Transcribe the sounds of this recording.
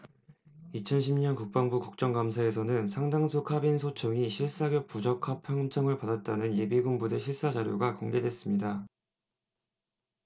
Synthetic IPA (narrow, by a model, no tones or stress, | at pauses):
it͡ɕʰʌnɕʰimɲʌnkuk̚p͈aŋbukuk̚t͡ɕ͈ʌŋɡamsʰae̞s̬ʰʌnɯnsʰaŋdaŋsʰokʰabinsʰot͡ɕʰoŋiɕʰiɭs͈aɡjʌp̚p͈ud͡ʑʌkʰapʰjʌŋt͡ɕʰʌŋɯɭpadat̚t͈anɯnje̞biɡumbude̞ɕʰiɭs͈ad͡ʑaɾjoɡakoŋɡe̞dwe̞s͈ɯmɲida